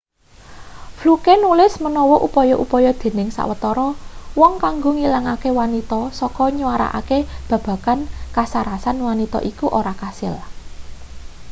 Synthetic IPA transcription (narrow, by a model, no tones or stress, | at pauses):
flukenulɪsmənɔwɔʔupɔjɔʔupɔjɔd̪̥e̤nɪŋsa̰ʔwət̪ɔɾɔwɔŋkaŋɡoŋiləŋakewanit̪ɔsɔkɔɲuwaɾa̰ʔa̰keb̥ä̤b̥ä̤kankasaɾasanwanit̪ɔ̰ʔikuʔoɾakasɪ̰l